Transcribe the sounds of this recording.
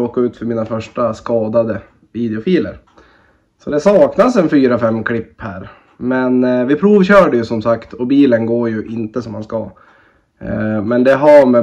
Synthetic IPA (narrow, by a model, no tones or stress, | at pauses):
oːkaʉ̟ːt̪fœɾmiːnafœʂʈaskɑːd̪ad̪ə | viːd̪ɛʊfiːlə̰ɾ | sɔd̪ɛsɑːknasɛnfyːɾafɛmːkʰlɪpːhæːɾ | mɛnvɪpʰɾuːvɕœːɖəjɵsɔmsakt̪ʰɔbiːlənɡoːɾjɵʔɪnt̪əsɔmːanska̰ | mɛnd̪ɛɦamɛ